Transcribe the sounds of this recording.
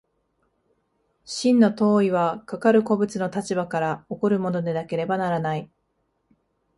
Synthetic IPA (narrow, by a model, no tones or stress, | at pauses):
ɕĩnːo̞t̪o̞ːiβ̞akakaɾɯ̟ko̞bɯ̟t͡sɨno̞t̪at͡ɕibakaɾao̞ko̞ɾɯ̟mo̞no̞d̪e̞nake̞ɾe̞banaɾanai